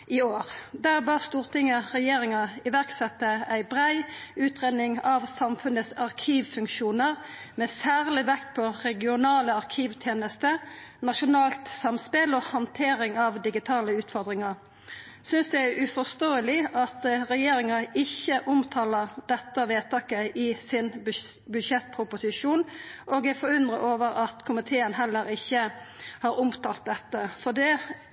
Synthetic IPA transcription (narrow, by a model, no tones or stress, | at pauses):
ɪoːʁd̪æːʁbɑːʁst̪uːʁt̪ʰɪŋːəʁɛjeːɾɪŋɑɪʋæʁksɛt̪ːəæɪbʁæɪʉːt̪ʁeːd̪nɪŋɑʋsɑmfʉnəsɑʁkʰiːʋfʉŋkʃuːnəʁmɛsæːʁlɪʋɛkt̪pʰɔʁɛɡɪʊnɑːləɑʁkʰiːʋt̪ʰjeːnəst̪ənɑʃʊnɑːlt̪sɑmspɪlohɑnt̪ʰeːɾɪŋɑʋd̪ɪɡɪt̪ʰɑːləʉːt̪fɔʁd̪ʁɪŋɑʁ | sʏnsd̪ɛæʔʉfɔʁst̪oːəlɪʔɑt̪ʁɛjeːɾɪŋɑɪçːəʔʊmt̪ʰɑːləʁd̪ɛt̪ːəʋeːt̪ʰɑːkəɪsɪnbʉʃɛt̪̚ːpʰʁʊpʊsɪʂuːnʔoːɡæfɔɾʉnd̪ʁəʔoːʋəɾɑt̪kʰʊmɪt̪ʰeːənɦɛlːəɾɪçːə | hɑːɾʊmt̪ʰɑːlt̪̚d̪ɛt̪ːəfɔd̪ɛ